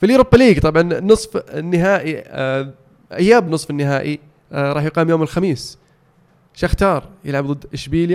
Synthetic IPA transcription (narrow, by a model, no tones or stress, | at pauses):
filʔʊɾuːbːaliːɡt̪ˤɑbʕɑnnːɨsˤfɪnːɪɦaːʔi | ʔajːaːbnɨsˤfɪnːɪɦaːʔiˤ | ɑːħjqɑːmjoːmɪlxamiːs | ʃaxt̪ɑːɾˤjɪ̰lʕabðˤɨd̪ːɪʃbiːlja